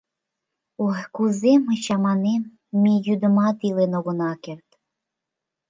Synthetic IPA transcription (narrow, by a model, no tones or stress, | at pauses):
uɦkuzemɨt͡ɕɑmɑnem | mʲijud̪mɑt̪ilˠenoɣonɑkert̪